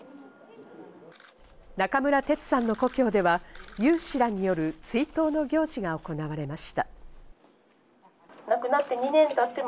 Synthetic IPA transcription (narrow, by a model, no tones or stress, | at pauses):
nakamɯ̟ɾat̪e̞t͡sɨ̥sãnːo̞ko̞kʲo̞ːd̪e̞βajɨ̟ːɕiɾaɲ̟ijo̞ɾɯ̟t͡sɨit̪o̞ːno̞ɡʲo̞ːʑiɡao̞ko̞naβaɾe̞maɕi̥t̪a | nakɯ̟nat̪ːe̞ɲinẽ̞nt̪at̪ːe̞m